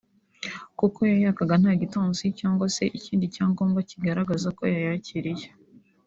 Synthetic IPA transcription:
kuko̞jajaːkaɡan̥haːɟitoːnzicaːŋɡwase̞ʔiciːndicaːŋɡoːŋɡaciɡaɾaɡazako̞̰jajaciɾije

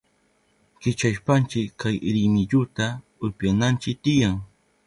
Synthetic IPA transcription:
kɪt͡ʃaʃpant͡ʃɪajɾɪmɪʎʊt̪a | ʊɾpjanant͡ʃɪk̚t̪ɪjaŋ

